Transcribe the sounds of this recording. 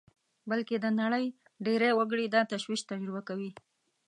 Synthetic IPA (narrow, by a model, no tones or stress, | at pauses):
balked̪ənaɽəj | ɖeɾajwaɡəɽid̪ɑt̪aʃwiʃt̪ad͡ʒɾɪbakawi